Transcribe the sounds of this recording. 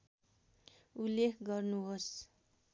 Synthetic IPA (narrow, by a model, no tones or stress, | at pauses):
ulːekʰɡʌrnuɦos